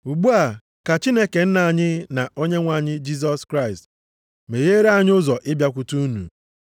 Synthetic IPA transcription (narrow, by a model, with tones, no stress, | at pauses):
u˨ɡ͡bu˦a˨ | ka˨t͡ʃi˦ne˦ke˨n̩˦na˨ɲɪ˦na˨o˦ɲe˦ŋʷa˨ɲɪ˦d͡ʒi˦s̬ɔ˦skɾa˦ɪ˨st | me˨ɣe˦ɾe˦a˨ɲ˦ʊ˦zɔ˨ʔɪ˦bja˦kʷu˨tu˦nṵ˨